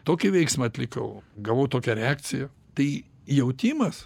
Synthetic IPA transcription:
t̪oːkʲɪʋʲɛɪksmɐɐt̪ʲlʲɪkɐ̰ʊɡɐʋoːt̪oːkʲɛɾʲɛaːk̪t͡s̪ʲɪjɛ | t̪ɐɪ | jɛʊt̪ʲimɐs

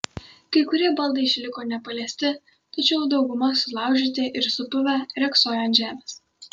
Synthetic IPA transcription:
kɐɪkʊɾʲiɛbɐlˠd̪ɐɪɪʃʲlʲɪkoːnʲɛpɐlʲiːsʲt̪ʲɪ | t̪ɐt͡ʃʲɛʊd̪ɒʊɡʊmɐsʊlˠɑˑʊʒʲɪt̪ʲeʔɪɾsʊpʊʋʲæɾʲɛksoːjɛnʒʲæːmʲeːs

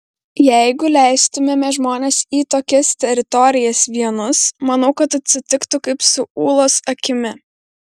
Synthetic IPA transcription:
jɛɪɡʊlʲæˑɪst̪ʊmʲɛmʲɛʒmoːnʲeːsiːt̪oːkʲɛst̪ʲɛɾʲɪt̪ɔɾʲɪjɛsʋʲiɛnʊsmɐnɐʊkɐt̪ɐt̪ʲsʲɪt̪ʲɪkt̪ʊkɐɪpsʊuːlˠoːsɐkʲɪmʲɪ

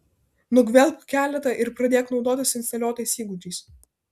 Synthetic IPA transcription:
nʊɡʋʲɛlʲpʲkʲæːlʲɛt̪ɐʔɪɾpɾɐd̪ʲeːknɒʊd̪oːt̪ʲɪsɪnst̪ɐlʲoːt̪ʲɐɪsʲiːɡuːt̪ʲiˑːs

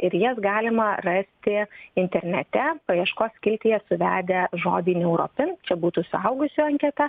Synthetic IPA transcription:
ɪɾjisɡɑːlʲɪmɐrɐsʲt̪ʲɪɪnʲt̪ʲɛɾʲnʲɛt̪ʲɛpɐjiɛʃkoːskʲɪlʲt̪ʲɪjɛsʊʋʲæːd̪ʲɛʒoːd̪ʲiːnʲɛʊɾo̰ːpʲɪnt͡ʃʲɛbuːt̪uːsʊɐʊɡʊsʲuːɐŋʲkʲɛt̪ɛ

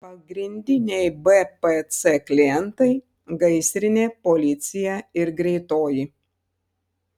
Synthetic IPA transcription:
pɐɡɾʲɪnʲd̪ʲɪnʲɛɪbɛpɛt̪sɛklʲɪjɛnt̪ɐɪ | ɡɐɪsʲɾʲɪnʲeːpɔlʲɪt̪sʲɪjɛɪɾɡɾʲɛɪt̪oːjɪ

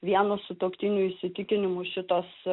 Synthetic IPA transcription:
ʋʲiɛnosʊt̪oːkt̪ʲɪnʲʊɪʃʲsʲɪt̪ʲɪkʲɪnʲɪmʊʃʲɪt̪oːs

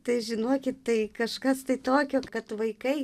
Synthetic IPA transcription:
t̪ɐɪʒʲɪnoːkʲɪt̪t̪ɐɪkɐʃkɐst̪ɐɪt̪oːkʲoːkɐt̪ʋɐɪkɐɪ

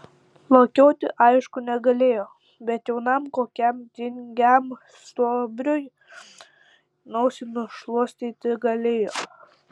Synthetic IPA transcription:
lˠokʲoːt̪ʲɪʔɐɪʃkʊnʲɛɡɐlʲeːjoː | bʲɛt̪jɛʊnɐmkoːkʲɛmt̪ʲɪŋʲɡʲɛm | st̪oːbʲɾʲoj | nɔʊsʲɪnʊʃlˠuɔsʲt̪ʲiːt̪ʲɪɡɐlʲeːjoː

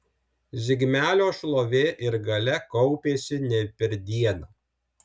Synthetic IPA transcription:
zʲɪɡʲmʲæːlʲoːʃlˠoːʋʲeːʔɪɾɡɐlʲɛkɔʊpʲeːsʲɪnʲɛpʲɛɾʲd̪ʲiɛnɐ

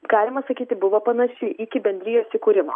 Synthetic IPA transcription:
ɡ̥ɑːlʲɪmɐsɐkʲiːt̪ʲɪbʊʋopɐnɐʃʲɪʔɪkʲɪbʲɛnʲd̪ɾʲɪjoːsʲɪkuːɾʲɪmo̰

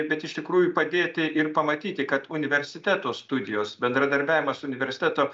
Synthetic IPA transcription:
bʲɛt̪ɪʃt̪ʲɪkɾuːjʊpɐd̪ʲeːt̪ʲɪʔɪrpɐmɐt̪ʲiːt̪ʲɪkɐt̪ʊnʲɪʋʲɛɾʲsʲɪt̪ʲæːt̪oːst̪ʊd̪ʲɪjoːsbʲɛnd̪ɾɐd̪ɐɾʲbʲæːʋʲɪmɐsʊʊnʲɪʋʲɛɾʲsʲɪt̪ʲæt̪oː

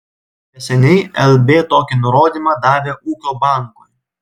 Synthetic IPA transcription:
nʲɛsʲɛnʲɛɪɛlʲˠbʲeːt̪oːkʲɪnʊɾoːd̪ʲimɑd̪ɑːʋʲeːʔuːkʲoːbɑˑŋkoj

